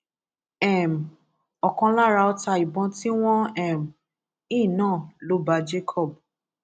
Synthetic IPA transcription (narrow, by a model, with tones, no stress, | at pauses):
ɛ˦˨m˨ | ɔ˨kɔ̃˧la˦ɾa˧ɔ˧ta˧i˨bɔ̃˧ti˦w̃ɔ̃˦ɛ˦˨m˨ | ĩ˦˨nãː˦˨lo˨˦ba˧˦d͡ʒe˦kʰɔ˦˨b̚